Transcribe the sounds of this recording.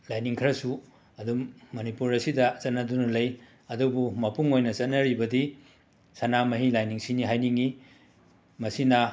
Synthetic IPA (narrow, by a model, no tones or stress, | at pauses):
lajniŋkʰɾɐsu | ɐdumːɐnipuɾɐsidɐt͡ʃɐtnːɐdunɐlɐj | ɐdubumɐpuŋojnɐt͡ʃɐt̚nːɐɾibɐdi | sɐnamɐɦilajniŋsiniɦajniŋi | mɐsinɐ